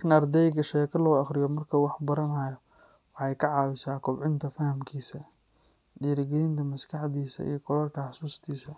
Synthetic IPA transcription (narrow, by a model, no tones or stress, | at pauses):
knɐrd̪ɛjɡɐʃɛːkʰɐlɔːɑχɾɪjɔmɐrkʰɐwɑħbɐɾɐnaːjɔ | wħɑjkʰɐʕɑːwɪsaːkʰɔbʕɪnt̪ʰɐfɐhɐmkʰiːsɐ | ɖiːɾɡɛlɪnt̪ʰɐmɐskʰɑħd̪iːsɐ̰ḭjɞkʰɔlɐrkʰɐħɑsuːst̪ʰiːsɐ